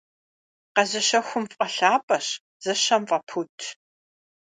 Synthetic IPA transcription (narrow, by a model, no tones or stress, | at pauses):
qɐzɐɕɐxʷʊmfʼɐɬaːpʼɐɕ | z̥ɐɕɐmfʼɐpʰutʰ